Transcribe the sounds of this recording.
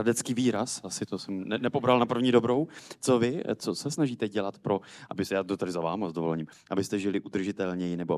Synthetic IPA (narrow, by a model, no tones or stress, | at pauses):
adɛt͡skiːviːɾasasɪt̪osɛmnɛnɛpo̞bɾalnapr̩vɲiːdo̞bɾo̞wt͡sovɪt͡sot͡sɛsnaʒiːt̪ɛɟɛlat̪pɾo̞ʔabɪsjaːt̪ot̪adɪzava̰ːmazdovolɛɲim | ʔabɪst̪ɛʒɪlɪʔud̪r̩ʒɪt̪ɛlɲɛjɪnɛbo